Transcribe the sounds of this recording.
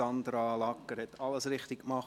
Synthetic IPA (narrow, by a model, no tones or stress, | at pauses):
ɑnd̪ɾɑlɑkːəɾhɛt̪ɑləsɾɪχt̪ɪkkmɑχ